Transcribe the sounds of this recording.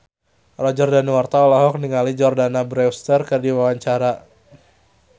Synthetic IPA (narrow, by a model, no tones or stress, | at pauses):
rɔd͡ʒɔrdanwart̪aɔlaɦɔk̚niŋalid͡ʒɔrdanabɾɛwst̪ərkərdiwawaɲt͡ʃaɾa